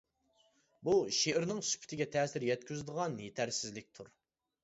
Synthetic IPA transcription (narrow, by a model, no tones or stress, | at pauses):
buʃeɾnɨŋsy̥pʰɪ̥t̪ʰɪɡʲɛt̪ʰɛːsɪɾjɛt̪̚kʲʰyzd̪əʁɑnjet̪ʰæɾsɪzlɪk̚ʲt̪ʰuɾ